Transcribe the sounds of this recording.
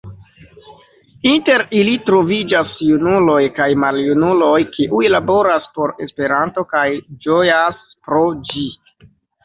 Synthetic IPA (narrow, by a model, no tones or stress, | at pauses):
inte̞ɾilitɾo̞vid͡ʒasjunulo̞jkajmaljunulo̞jkʰiʔujlabo̞ɾaspo̞ɾe̞spe̞ɾanto̞kajd͡ʒo̞jaspɾo̞d͡ʒi